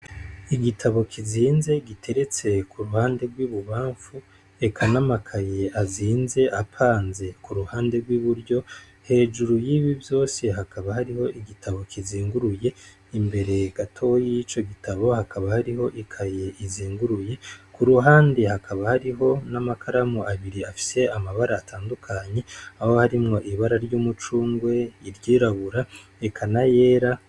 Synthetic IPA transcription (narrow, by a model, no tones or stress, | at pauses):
iɡitʰaβo̞kʰiziːnze̞ɡitʰe̞ɾe̞t͡se̞kuɾuhaːnde̞ɡwiːβuβaːɱfu | e̞kʰanamakʰaje̞aziːnze̞ʔapʰaːnze̞kuɾuhaːnde̞ɡwiːβuɾɟo̞ | he̞ːʒuɾujiβivjo̞ːse̞ɦakʰaβahaɾiho̞ʔiɡitʰaβo̞kʰiziːŋɡuɾuje̞ | imbe̞ɾe̞ɡ̥atʰo̞jijit͡ʃo̞ɡitaβo̞hakaβahaɾiho̞ʔikʰaje̞ʔiziːŋɡuɾuje̞kuɾuɦaːnde̞hakʰaβahaɾiɦo̞namakʰaɾamoʔaβiɾiafi̥se̞amaβaɾaːtʰaːndukʰaɲe̞aho̞haɾimŋo̞ʔiβaɾaɾɟuːmut͡ʃuːŋɡwe̞iɾɟiːɾaβuɾaekʰanaje̞ːɾa